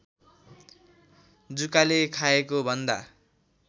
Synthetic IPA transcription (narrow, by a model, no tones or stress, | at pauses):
d͡zukalekʰaekobʱʌnd̪a